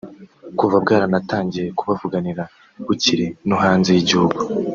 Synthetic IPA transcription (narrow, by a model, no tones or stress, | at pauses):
kuvabɡaːɾanataːɲɟije̞kuβavuɡaniɾa | β̥uciɾinuɦaːnzejiɟuuɡu